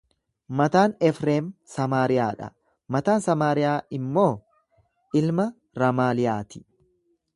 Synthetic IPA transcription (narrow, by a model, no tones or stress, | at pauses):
mɐt̪aːnɛfɾeːmsɐmaːɾɪjaːᶑɐ̰ | mɐt̪aːnsɐmaːɾɪjaːɪmːo̞ː | ʔɪlmɐ | ɾɐmaːlɪjaːt̪ɪ̥